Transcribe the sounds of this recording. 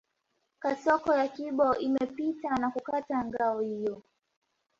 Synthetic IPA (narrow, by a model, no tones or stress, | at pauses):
kasɔkɔjakiɓɔʔimɛpitanakukataŋɡaɔhijɔ